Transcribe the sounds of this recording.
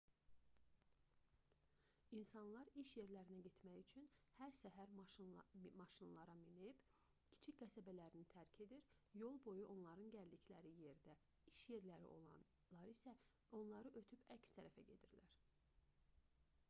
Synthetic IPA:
insɑnlˠɑɾiʃje̞ɾlæɾinæɟe̞t̪ʰmæjyt͡ʃʰynhæɾsæɦæɾ | mɑʃinlˠɑɾɑminib̥ | cʰi̥t͡ʃʰicɡæsæbælæɾinit̪ʰæɾcʰe̞d̪iɾjo̞lˠbo̞juʔo̞nlˠɑɾɯnɟæld̪iclæɾije̞ɾd̪æ | iʃje̞ɾlæɾḭʔo̞̰lˠɑ̰n | lˠɑɾisæ | o̞nlˠɑɾɯʔøt̪ʰypæcst̪ʰæɾæfæɟe̞d̪iɾlæɾ

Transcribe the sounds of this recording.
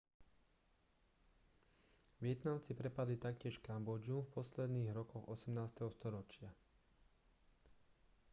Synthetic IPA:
ʋɪɛt̪namt͡sipɾɛpad̪lit̪ak̚cɪɛʃkambɔd͡ʒumfpɔslɛd̪niːɣɾɔkɔɣɔsɛmnaːst̪ɛɦɔst̪ɔɾɔt͡ʃɪa

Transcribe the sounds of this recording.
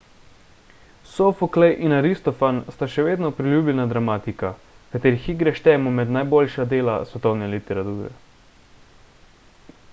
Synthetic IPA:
sofoklɛjʔinaɾist̪ɔfanst̪aʃɛʋeːd̪nɔpɾilʲjuːbʎɛnad̪ɾamaːt̪ika | kat̪eːɾixiɡɾɛʃt̪ɛːɛmɔmɛd̪najboːlʲʃad̪eːla̰sʋɛt̪ɔwnɛlit̪ɛɾat̪uːɾɛ̰

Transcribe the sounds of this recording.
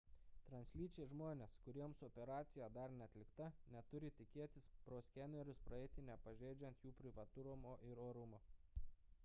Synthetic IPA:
t̪ɾɐnʲsʲlʲiːt͡ʃʲɛɪʒmoːnʲeːskʊɾʲiɛmsɔpʲɛɾɑːt̪sʲɪjæːd̪ɐɾnʲɛɐt̪ʲlʲɪkt̪ɐnʲɛt̪ʊɾʲɪt̪ʲɪkʲeɛt̪ʲɪspɾoːsʲkʲɛnʲɛɾʲʊspɾɐɛɪt̪ʲɪnʲɛpɐʒʲeːd͡ʒʲɛnt̪juːpʲɾʲɪʋɐt̪ʊɾomoːʔɪɾoːɾʊmo

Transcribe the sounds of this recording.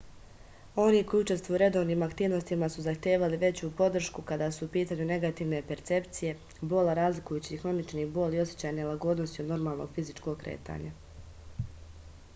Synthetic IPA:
o̞niːko̞jut͡ʃe̞st̪ʋujuɾe̞d̪o̞ːʋniːmakt̪iːʋno̞st̪imasuzaxt̪jeːʋaliʋe̞t͡ɕuːpo̞d̪r̩ʃkukad̪aːsuːpiːt̪aːɲune̞ɡat̪iːʋne̞pe̞ɾt̪se̞pt̪sije̞ | bo̞laɾaːzlikujuːt͡ɕixɾo̞nit͡ʃniːbo̞ːlio̞sje̥t͡ɕaːjnelˠaɡo̞d̪no̞st̪iod̪no̞ɾmaːlˠnoɡ̥fizit͡ʃko̞ɡ̚kɾe̞̰ːt̪a̰ɲa

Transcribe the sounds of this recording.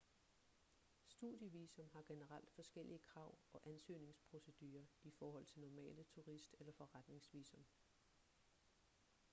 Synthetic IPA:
sd̥uðˠjəʋiːsɔ̽mhɑ̈ɡ̥e̝nəʁɑl̰d̥fɒ̽sɡ̥el̰iəkʰʁɑ̈ʊ̰ɒ̽ʔænsø̰ːne̝ŋspʰʁo̝se̝d̥yːɐifɒːɦɒ̽l̰t͡sʰe̝lnɒmɛ̰ːlət͡sʰuʁisd̥elɐfɒ̽ʁad̥ne̝ŋsʋḭːsɔ̽m

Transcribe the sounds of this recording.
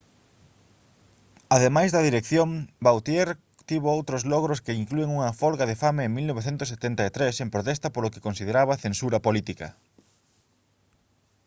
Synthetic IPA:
aðemajzðɐðiɾekθjoŋbawt̪jeɾ | t̪iβoowt̪ɾozlɔɣɾʊskeiŋklueŋuŋɐfɔlɣɐðefameːŋmilnoβeθent̪ʊset̪ent̪ɐet̪ɾesempɾot̪est̪ɐpoloke̥konsið̞eɾaβɐθensuɾɐpolit̪ikɐ̰

